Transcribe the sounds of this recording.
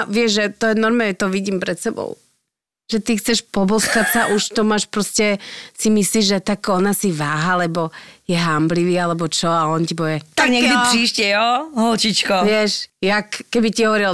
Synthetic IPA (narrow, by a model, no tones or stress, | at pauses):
ʋɪɛʒʒɛt̪ɔjɛnɔɾmaɛt̪ɔʋiɟiːmpɾɛt̪sɛbɔ̰ʊ | ʒ̥ɛt̪ixt͡sɛʃpɔbɔskacsaʔuʃt̪ɔmaːʃpɾɔscɛsimisliːʒʒɛt̪akɔnasiʋaːɦalɛbɔjɛɦambliʋiːalɛbɔt͡ʃɔaɔncibɔɛt̪aɡɲɛɡd̪ipɾiːʃcɛjɔɦɔlt͡ʃit͡ʃkɔʋɪɛʃjakkɛbiciɦɔʋɔɾil